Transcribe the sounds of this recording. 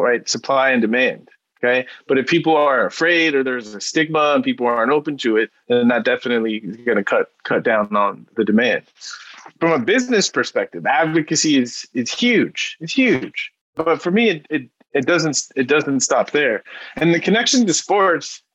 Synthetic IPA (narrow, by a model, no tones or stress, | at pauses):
ɹaɪtsɨpʰl̥aɪɨ̃ndɨmæ̃nd̥ | oʊkʰeɪb̥ʌɾɨfpʰipl̩ˠə˞ɨfɹeɪɾə˞ðə˞zɨstɪɡ̚məə̃npipl̩ˠɑɹntoʊpɨ̃n̩tʰɨɪt̪̚ðɨ̃nnɨt̚d̥ɛfɨnɨtˡliɡʌnɨkʰʌt̚kʰʌt̚d̥ãʊ̃nə̃nðɨdɨmæ̃nd̥fɹʌ̃məbɪznɨspʰə˞spɛk̚tɨvædvɨkɨsiɪzɨz̥hjʉd̥ʒ̥ɨtz̥hjʉd̥ʒ̥ | b̥ʌtfə˞miɨɾɪt̚ | ɨt̚d̥ʌzɨ̃ntsɨt̚d̥ʌzɨ̃n̩tstɑp̚ðə˞ɨ̃nðɨkʰɨnɛkʃɨ̃ntɨspɔɹts